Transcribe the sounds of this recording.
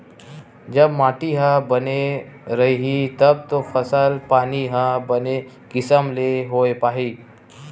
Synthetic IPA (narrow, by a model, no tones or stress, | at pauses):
d͡ʒəbmaːʈiɦãbəneɾɐɦiɦit̪ɐb̚t̪ofɐsəlpaːniɦãbəne | kɪsəmleɦoːepaːɦiː